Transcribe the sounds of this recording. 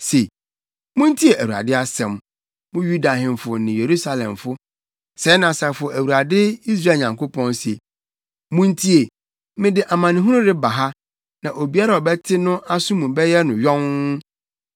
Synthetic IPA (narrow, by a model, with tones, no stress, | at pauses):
se˨ | mũ˦n˦tʰi˦e˨ʔæ˨wu˨ɾa̰˨dɪ˦a˦sɛ̃˨m | mʊ̃˦ju˦da˨hɪ̃˨mfʊ˨nɪ̃˨je˨ɾu˦sa˨lɛ̰̃˨mfʊ˦ | sɛ˨˦nã˨sa˨fʊ˨ɔ˨ʔæ˨wu˨ɾa˨dɪ˦i˦s̬ɾa˦˨ɲã˨ŋko˦pʰɔ̃˦nse˨ | mũ˦n˦tʰi˦e˨ | mɪ̃˦dɪ˦ʔa˨mã˨nɪ̃˨ɦũ˦ɾʊ̃˦dɪ˦ba˨ɦa˦ | nã˨ʔo˨bi˦a˦ɾa˨ɔ˨bɛ˦tʰɪ˦nʊ̃˦ʔa˦sʊ̃˦mũ˨˦bɛ˦jɛ˦nʊ̃˨ɥɔ̃˦ŋ˦